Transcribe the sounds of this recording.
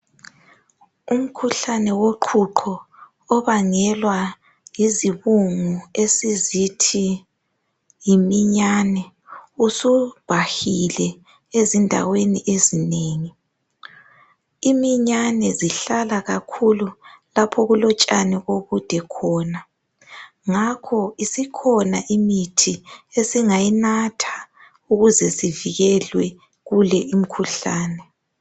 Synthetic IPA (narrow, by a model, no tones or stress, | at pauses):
um̩kʰuɬanɛwoǃʰuǃʰɔː | βaŋɛlwa | jiziβuŋuesizitʰi | jimiɲanɛ | usub̥ʱahilɛ | ezindʱa̰weniʔezineːŋi | imiɲanɛziɬalaɣakʰululapʰɔɣulɔt͡ʃʼanɛɣoɣud̥ʱɛkʰɔːna | ŋakʰɔisikʰɔnaʔimitʰiesiŋajinatʰḁ | uɣuzɛsiviɣɛlwɛ | ɣulɛim̩kʰuɬaːnɛ